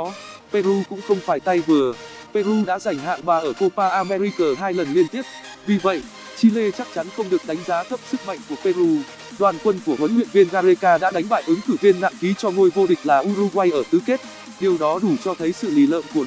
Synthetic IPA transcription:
pe˧ɾu˧kʊ̰˧˥ŋ͡mxə˧wŋ͡mfaː˧˩jt̪a˧jvɨ˨˩əpe˧ɾu˧ɗa̰ː˧˥za˧˩jŋ̟ɦa̰ː˧˨ŋɓaː˨˩ʔəː˧˩ko˧paː˧ʔaː˧mɛ˧ɾi˧kəː˨˩ɦaː˧jlə˨˩nli˧ənt̪i˦˥əp̚vi˨˩və̰˧˨jʔ | t͡ɕi˧le˧t͡ɕa˦˥k̚t͡ɕa˨˦nxə˧wŋ͡mɗɨ˨˩ək̚ɗa˨˦jŋ̟zaː˨˦t̪ʰə˦˥p̚sɨ˦˥k̚ma̰˧˨ŋ̟ku˧˩əpe˧ɾu˧ | ɗwaː˨˩nkwə˧nku˧˩əhwə˨˦nhwḭ˧ənvi˧ənɣaː˧ze˧kaː˧ɗa̰ː˧˥ɗa˨˦jŋ̟ɓaː˧˩jʔɨ˨˦ŋkɨ˧˩vi˧ənːa̰ː˧˨nki˨˦t͡ɕɔ˧ŋo˧jvo˧ɗï˨˩ŋ̟laː˨˩ʔu˧ɾu˧ɣwa˧jʔəː˧˩t̪ɨ˨˦ke˦˥t̚ | ɗe˨˩əwɗɔ˨˦ɗu˧˩t͡ɕɔ˧t̪ʰə˨˦jsɨ̰˧˨li˨˦lə̰ː˧˨nku˧˩ə

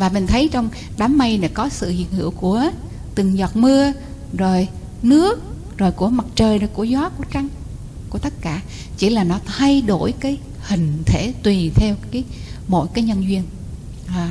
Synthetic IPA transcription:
vaː˨˩mi˨˩ŋ̟t̪ʰə˨˦jt͡ɕɔ˧wŋ͡m | ɗaː˨˦mːa˧jnḛ˧˩kɔ˨˦sɨ̰˧˨hḭ˧˨ənhɨ̰˧˩əwku˧˩ə | t̪ɨ˨˩əŋzɔ˨˩t̚mɨ˧ə | zo˨˩j | nɨ˦˥ək̚ | zo˨˩jku˧˩əma˨˩t̚t͡ɕəː˨˩jno˨˩jku˧˩əzɔ˨˦ku˧˩ət͡ɕa˧ŋ | ku˧˩ət̪ə˦˥t̚kaː˧˩˨ | t͡ɕi˧˩laː˨˩nɔ˨˦t̪ʰa˧jɗo˧˩jkaː˨˦j | hï˨˩ŋ̟t̪ʰe˧˩t̪wi˨˩t̪ʰɛ˧wkaː˨˦jmo̰˧˥˨jkaː˨˦jɲə˧nzwi˧ən | aː˨˩

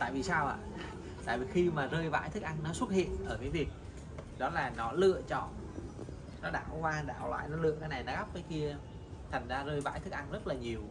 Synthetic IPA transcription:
t̪a̰ː˧˨jvi˨˩saː˧wʔa̰ː˧˨ | t̪a̰ː˧˨jvi˨˩xi˧maː˨˩zəː˧jva̰ː˧˥jt̪ʰɨ˦˥k̚ʔa˧ŋnɔ˨˦swə˦˥t̚hḭ˧˨ənʔəː˧˩kaː˨˦jvi˨˩ək̚ | ɗɔ˨˦laː˨˩nɔ˨˦lɨ̰˧˨ət͡ɕɔ̰˧˩˨n | nɔ˨˦ɗaː˧˩˨wkwaː˧ɗa̰ː˧˩wlwa̰ː˧˨jnɔ˨˦lɨ̰˧˨əkaː˨˦jna˨˩jnɔ˨˦ɣa˦˥p̚kaː˨˦jki˧ə | t̪ʰa˨˩ŋ̟zaː˧zəː˧jva̰ː˧˥jt̪ɨ˦˥k̚ʔa˧jŋ̟zə˦˥t̚laː˨˩ɲi˨˩əw

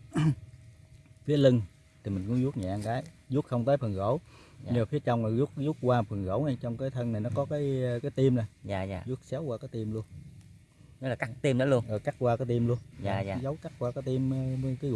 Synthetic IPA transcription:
fi˨˦əli˧ŋ | t̪ʰi˨˩mï̟˨˩kʊ˧˥˦zu˦˥t̚ɲa̰ː˨ʔa˧ŋkaː˨˦j | zu˦˥t̚xə˧wŋ͡mt̪əː˨˦fə˨˩ŋɣo̰˧˩˦w | ɲɨ˧ma˨˩fi˨˦ət͡ɕɔ˧wŋ͡mma˨˩zu˦˥t̚zu˦˥t̚kwaː˧fə˨˩nɣo̰˧˩˦wna˨˩jt͡ɕɔ˧wŋ͡mkaː˨˦jt̪ʰə˧na˨˩jnɔ˨˦kɔ˨˦kaː˨˦jkaː˨˦jt̪i˧mna˨˩jzaː˨˩za̰ː˨˩zu˦˥ət̚sa˨˦wkwaː˧kaː˨˦jt̪i˧mlu˧ən | ɔ˨˦laː˨˩ka˦˨˥k̚t̪i˧mɗɔ˨˦lu˧ənʔɨː˨˩ka˦˥k̚kwaː˧kɔː˨˦t̪i˧mlu˧ənzaː˨˩a̰ː˨˦zə˨˦wka˦˥t̚waː˧kaː˨˦t̪i˧m˧ki˨˦˧

